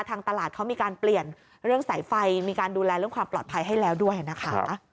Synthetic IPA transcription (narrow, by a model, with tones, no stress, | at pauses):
t̪ʰaː˧ŋt̪a˧laː˨˩t̪̚kʰa˦˥wmiː˧kaː˧npli˨˩ən | ɾɯ˥˩əŋsa˩˦jfa˧jmiː˧kaː˧nduː˧lɛː˧ɾɯ˥˩əŋkwaː˧mplɔː˨˩t̪pʰa˧jɦa˥˩jlɛː˦˥wdu˥˩əjna˦˥kʰa˦˥